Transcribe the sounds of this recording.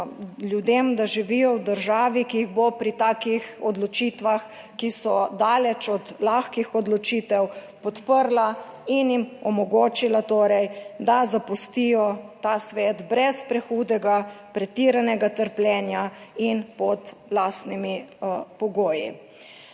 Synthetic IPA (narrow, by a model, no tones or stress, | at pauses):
ljud̪emd̪aʒiʋijɔwd̪əɾʒaːʋikijiɣbopɾit̪aːkixɔd̪lɔt͡ʃiːt̪ʋax | kisɔd̪aːlɛt͡ʃɔd̪laxkixɔd̪lɔt͡ʃiːt̪ɛw | pɔt̪pəɾla | injimɔmɔɡoːt͡ʃilat̪oːɾɛjd̪azapust̪ijɔt̪asʋɛːd̪bɾɛspɾɛxuːd̪ɛɡa | pɾɛt̪iɾanɛɡat̪əɾplʲɛːnjainpɔt̪laːst̪nimipɔɡoːjḭ